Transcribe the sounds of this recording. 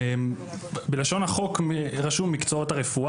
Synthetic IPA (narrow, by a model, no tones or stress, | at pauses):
m | belaʃo̞nhaχokʁaʃumikt͡soothaʁefu